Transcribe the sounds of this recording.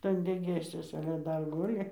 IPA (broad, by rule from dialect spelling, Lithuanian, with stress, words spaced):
ˈtɐn dʲɛɡʲeːsʲuɔsɐ ɐlʲɛ ˈdɐr ˈɡʊlʲɪ